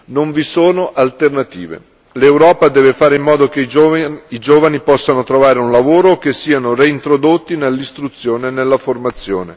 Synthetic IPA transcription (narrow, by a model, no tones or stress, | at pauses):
noɱvisoːnoʔalt̪ernat̪ḭːvḛ | lewɾɔːpad̪ɛːvefaːɾeimːɔːd̪okeid͡ʒoːvanipɔsːanot̪ɾovaːɾeunlavoːɾok̟esːiːanoreint̪ɾod̪ot̪ːinelːist̪ɾut̪sːjoːnenːelːaformat̪sːjo̰ːnḛ